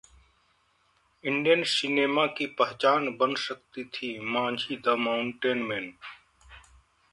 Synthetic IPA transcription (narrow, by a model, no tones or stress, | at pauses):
ɪɳɖijənsineːmaːkiːpəɦt͡ʃaːnbənsək̚t̪iːt̪ʰiːmãːnd͡ʒʱiːd̪əmaːʊɳʈeːnmeːn